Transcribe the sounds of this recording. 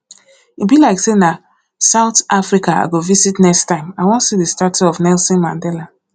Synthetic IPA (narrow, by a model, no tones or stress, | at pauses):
ibilaɪksena | saʊtʔafɹikaa̰ɡovizitnɛkstãɪ̃mawɔ̃ntsidəstatiɔvnɛlsɔ̃nmã̰ndɛla